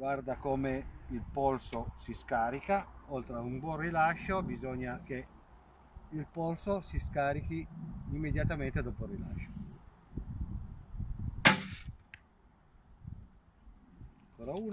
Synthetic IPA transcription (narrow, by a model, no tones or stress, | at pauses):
ɡward̪akomeilpɔlsosiskaːɾikaolt̪ɾaumbwɔrilaʃːobizɔɲːake | ilpɔlsosiskaːɾikiimːed̪jat̪ament̪ed̪ɔːporila̰ʃːo̥ | ŋkoːɾauː